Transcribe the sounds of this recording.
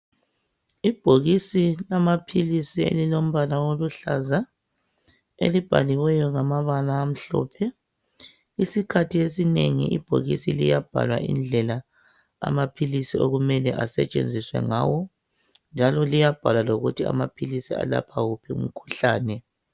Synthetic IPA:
ib̥ʱoɣisilamapʰilisiḛlilom̩βalawoluɬaza | ḛlib̥ʱa̰liwɛjɔŋamaβalaːm̩ɬɔ̰pʰɛ | isikʰatʰiesineŋḭʔḭb̥ʱo̰ɣisilijab̥ʱa̰lwa̰ʔḭnd͡ɮʱɛla | a̰mapʰilisio̰ɣumɛlɛʔasɛ̰t͡ʃʼḛnd͡zʱiswɛ̰ŋaːwɔ | nd͡ʒʱalɔlijab̥ʱalwaloɣutʰia̰mapʰilisia̰la̰pʰaɣupʰiṵm̩kʰu̥ɬaːnɛ

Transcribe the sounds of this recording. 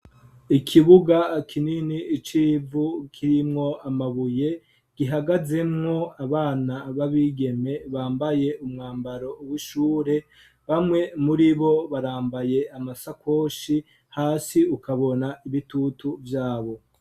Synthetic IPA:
ikʰiβuɡakʰininiːt͡ʃiːvukʰiɾimŋo̞amaβuje̞ | ɡ̥iɦaɡaze̞mŋo̞aβaːnaβaβiːɡe̞me̞βaːmbaje̞umŋaːmbaɾo̞uβuʃuːɾe̞ | βamŋe̞muɾiβo̞βaɾaːmbaje̞amasakʰo̞ːʃi | haːsiukaβo̞naʔiβitutuvjaːβo̞

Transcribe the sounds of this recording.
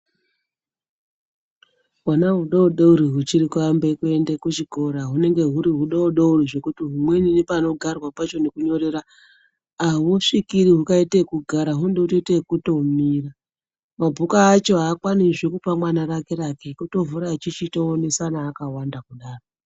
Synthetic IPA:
wanaɦuɗouɗouɾiɦut͡ʃiɾikuambe̞kue̞ndekut͡ʃiko̞ɾaɦune̞ŋɡe̞ɦuɾiɦuɗauɗouriʐe̞kutiɦumwe̞ninipano̞ɡʱarwapat͡ʃo̞ne̞kuɲo̞ɾe̞ɾaː | ɦuʂikiɾiɦukaitekuɡʱaɾaɦundeutotekuto̞miːra | mabʱukaːt͡ʃo̞ɦaːkwaniʐekupamwanaɾake̞ɾakekuto̞vuɾat͡ʃit͡ʃitoone̞sanaːkawandakuɗaːro

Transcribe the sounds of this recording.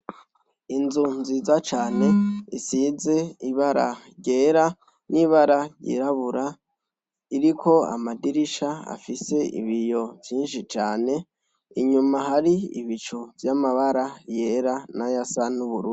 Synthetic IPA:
inzunzizat͡ʃaːne̞isize̞iβaɾa̰ɟe̞ːɾa | niβaɾaɟḭɾaβuɾa | iɾikʰo̞a̰madiɾiʃaa̰fise̞ḭβijo̞vjiːnʃit͡ʃaːne̞ | iɲumaɦaɾiḭβit͡ʃovjamaβaɾaje̞ɾanajasanuβuɾuː

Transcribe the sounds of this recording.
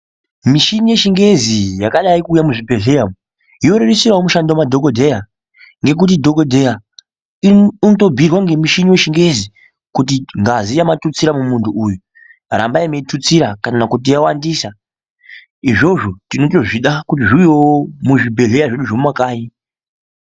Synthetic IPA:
miʃinije̞ʃiŋɡe̞zijakaɗaikuːjamuʐibʱe̞ɮe̞jamu | ijo̞ɾeɾesiɾaomuʃandwamadʱokodʱe̞ja | ŋɡe̞k̬ut̬idʱo̞kodʱeja | nto̞bʱirwaŋɡe̞miʃinijeʃiŋɡe̞zi | kut̬iŋɡazijamatut͡siɾamumuntʰuʔːju | ra̰mbaimeitut͡siɾakanakut̬ijawandiːsa | iʐo̞ʐo̞tino̞to̞ʐiɗakut̬iʐiwiwomuʐibʱe̞ɮe̞jaʐeɗuʐomwakaːi

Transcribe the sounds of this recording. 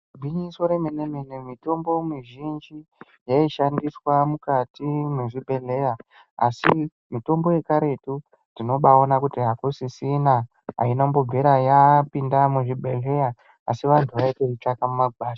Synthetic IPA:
bʱiɲiso̞ɾemenemenemito̞mbo̞miʒind͡ʒi | jaiʃandiswamukatimeʐibʱe̞le̞ja | asi | mito̞mbo̞je̞kaɾe̞tu | ndino̞ɓao̞nakutiɦakusisina | ɦa̰inambo̞b͡vʱeɾajapindamuʐibʱe̞ɮe̞ja̰ː | siʋantʰuʋaiteit͡ʃakamumaɓaːʃa

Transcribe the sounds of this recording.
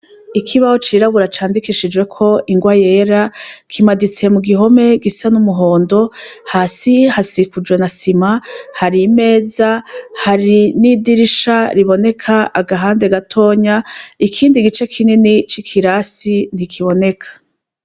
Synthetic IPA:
ikʰiβaho̞t͡ʃiɾaβuɾat͡ʃaːndikiʃid͡ʒwe̞kʰo̞ʔiŋɡwaje̞ːɾakʰimadit͡se̞muɡiɦo̞me̞ɡisanumuɦoːndo̞haːsihasikud͡ʒɡwe̞nasimahaɾime̞ːzahaɾinidiɾiʃaɾiβo̞ne̞kʰaaɡaɦaːnde̞ɡatʰo̞ːɲaikʰiːndiɡit͡ʃe̞kʰininit͡ʃikʰiɾasin̥ikʰiβo̞ne̞kʰḁ

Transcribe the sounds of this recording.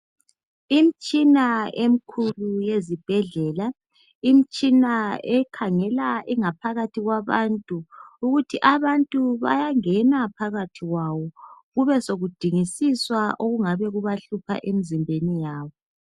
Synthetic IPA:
im̩t͡ʃʼinaem̩kʰulujezib̥ʱɛɮɛːla | im̩t͡ʃʼinaɛkʰaŋɛlaiŋapʰaɣatʰiɣwaβa̰ntʼuːɣutʰiʔaβantʼuβa̰jaŋɛnapʰaɣatʰiɣwawɔɣuβɛsoɣud̥ʱiŋisiswaʔoɣuŋaβɛɣuβaɬupʰa̰ʔemizimbʱenijaːβɔ

